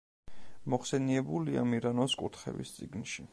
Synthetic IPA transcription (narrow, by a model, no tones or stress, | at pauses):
mɔχsɛniɛbulia̰miɾanɔskʼuɾt̪χɛ̰vḭst̪sʼiɡnʃi